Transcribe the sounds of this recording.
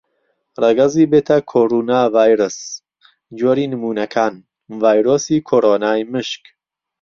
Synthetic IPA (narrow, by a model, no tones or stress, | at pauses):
rɐɡɐziːbeːt̪ʰɐkʰoːɾunaːvaːjɾɨs | d͡ʒoːɾiːnɨmuːnɐkʰaːn | vaːjɾoːsiːkʰoːɾoːnaːjmɨʃk